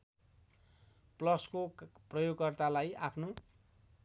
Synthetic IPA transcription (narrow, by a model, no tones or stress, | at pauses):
plʌskoprʌjoɡkʌrt̪alajapʰno